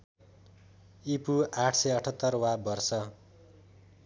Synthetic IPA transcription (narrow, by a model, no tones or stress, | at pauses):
ipuʔaʈʰsʌjʌʈʰʌt̪ːʌrwabʌrsʌ